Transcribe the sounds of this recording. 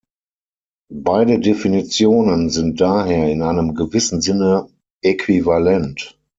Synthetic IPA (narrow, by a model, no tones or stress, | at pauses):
baɪdədefinit͡sjoːnənzɪnt̚d̥aːɦeːɐɪnaɪnəmɡəvɪsn̩zɪnə | ekʰv̥ivalɛnt